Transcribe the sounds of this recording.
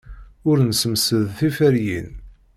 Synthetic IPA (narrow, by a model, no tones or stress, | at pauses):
ʊɾnsəmsəðθifæɾjḭn